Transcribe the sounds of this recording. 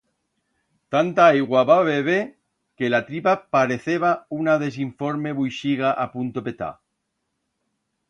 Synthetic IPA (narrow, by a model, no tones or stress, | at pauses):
t̪ant̪aejɣwaβaβeβe | kelat̪ɾipapaɾe̞θeβaunaðe̞s̬iɱfo̞ɾme̞βujʃiɣaʔapunt̪ope̞t̪a̰